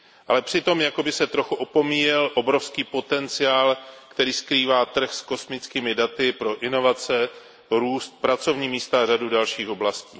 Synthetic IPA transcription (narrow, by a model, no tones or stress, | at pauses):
ʔalɛpr̥ɪt̪o̞mjako̞bɪsɛt̪ɾo̞xuʔopo̞miːjɛlʔo̞bɾo̞fskiːpo̞t̪ɛnt͡sɪaːlkt̪ɛɾiːskɾiːvaːt̪r̩xsko̞smɪt͡skiːmɪdat̪ɪpɾo̞ʔɪno̞vat͡sɛ | ɾuːst̪̚pɾat͡so̞vɲiːmiːst̪aːr̝adudalʃiːxo̞blasciː